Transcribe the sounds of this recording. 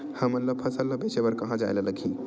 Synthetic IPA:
həmːət̪ləpʰəsəlːəbet͡ʃebəɾkəɦãd͡ʒa̰jlələɡʰʱĩ

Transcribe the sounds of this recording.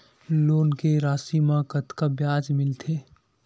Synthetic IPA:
loːnkeɾaːsimãkɐt̪kabjaːd͡ʒmɪlt̪ʰeː

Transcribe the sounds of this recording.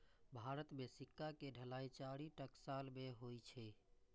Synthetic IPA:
bʱaɾət̪mesikːakeɖʱəlait͡ʃaɽiʈəksalmeɦojt͡ʃʰɛ

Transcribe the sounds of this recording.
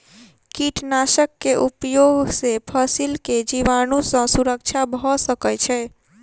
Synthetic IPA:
kiʈʰnasəkːeʔupjoɡsepʰəsilked͡ʒiʋanusə̃suɾəkt͡ʃʰabʱɔsəkət͡ʃʰɛ

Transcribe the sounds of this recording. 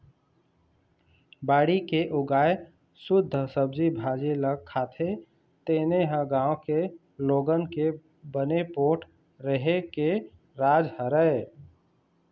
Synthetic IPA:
baːɽikeʔʊɡaːe | sʊd̪ʱːəsəb̚d͡ʒibʱaːd͡ʒeləɡ̚kʰːaːt̪ʰe | t̪eːneɦə̃ɡãːõke | loːɡənke | bənepoːʈʰ | ɾəɦeke | ɾaːd͡ʒhəɾəe

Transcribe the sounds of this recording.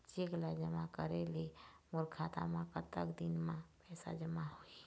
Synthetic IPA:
t͡ʃeɡlad͡ʒəmakəɾelemʊɾkʰat̪a̰mãkət̪ːəkd̪inmãpɛːsa̰d͡ʒəmaɦoi

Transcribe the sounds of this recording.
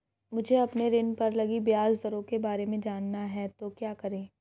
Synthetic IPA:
mʊd͡ʒʱeɐpneɾɪnpɐɾlɐɡibjaːzd̪ɐɾõkebaːɾemẽd͡ʒaːnːaɦɛt̪okjaːkɐɾẽː

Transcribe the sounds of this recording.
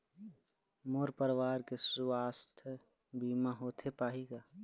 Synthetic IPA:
moːɾpəɾwaːɾkesaːst̪ʰ | biːmaɦoːt̪ʰepaːɦiɡaː

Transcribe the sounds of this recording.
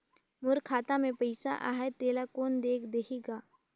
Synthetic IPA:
mʊɾkʰaːt̪amẽpɐɪsa̰ʔa̰ːɦɛt̪eːlakoːnd̪eːkʰd̪ekiɡaː

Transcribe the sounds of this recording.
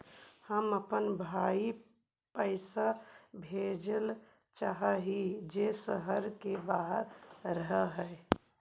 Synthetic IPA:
həməpənbʱaːi | pəɪsabʱed͡ʒəl | t͡ʃaɦaɦid͡ʒesəɦəɾkebaɦəɾɾəɦəɦɛ

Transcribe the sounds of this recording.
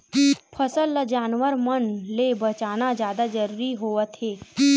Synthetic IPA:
pʰəsəlːad͡ʒaːnʋəɾmənlebɐt͡ʃaːnad͡ʒjaːd̪ad͡ʒəɾuɾiɦoːʋət̪ɦeː

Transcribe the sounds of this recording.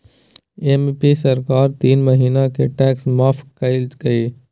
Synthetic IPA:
empisɐɾkaːɾt̪iːnməɦiːnãkʰeʈɛːksmaːfkɐɪlt̪kɐeː

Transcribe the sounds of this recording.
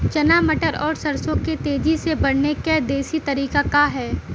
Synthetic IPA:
t͡ʃɐnaːməʈəɾɔːɾsɐɾsõket̪eːd͡ʒisebɐɽnekɛːd̪eːsit̪ɐɾiːkakaɦɛː

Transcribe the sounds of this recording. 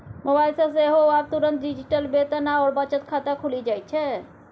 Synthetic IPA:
mobajlsə̃seɦoab̚t̪uɾənt̪ɖid͡ʒiʈəlbet̪naɔːɾbət͡ʃət̪kʰat̪akʰulid͡ʒajt͡ʃʰɛ

